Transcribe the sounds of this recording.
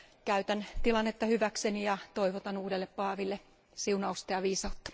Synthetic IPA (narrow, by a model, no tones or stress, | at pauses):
kæyt̪ænt̪ilɑnːet̪ːɑhyʋæksenijɑt̪oiʋot̪ɑnuːdelːeppɑːʋilːe | siunɑust̪ɑjɑʋiːsɑut̪ːɑ̥